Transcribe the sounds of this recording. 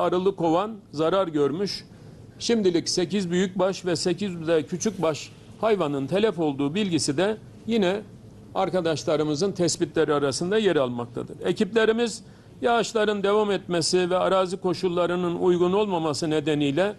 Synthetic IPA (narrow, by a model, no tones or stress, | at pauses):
aɾɯlˠɯkʰo̞vanzaɾaɾɟøɾmyʃ | ʃimd̪ilʲicse̞cizbyjyc̚baʃvɛsecizd̪ɛcʰyt͡ʃʰyc̚baʃ | hajvanɯnt̪ʰelʲɛfo̞lˠd̪uːbilʲɟisid̪ɛ | jinɛ | aɾkad̪aʃlˠaɾɯmɯzɯnt̪ʰɛsbit̪lʲeɾiaɾasɯnd̪ajeɾalˠmak̚t̪ʰa̰d̪ɯ̰ɾeciplʲe̞ɾimiz | jaːʃlˠaɾɯnd̪e̞vamɛt̪mesivɛaɾaːzɯkʰo̞ʃulˠːaɾɯnɯnujɡuno̞lˠmamasɯne̞d̪enijlʲɛ